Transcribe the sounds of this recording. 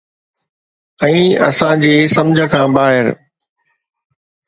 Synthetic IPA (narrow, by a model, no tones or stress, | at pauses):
ɛ̃ːɐ̰sãd͡ʑeːsɐmd͡ʑʱəkʰãːbaːɦɪɾ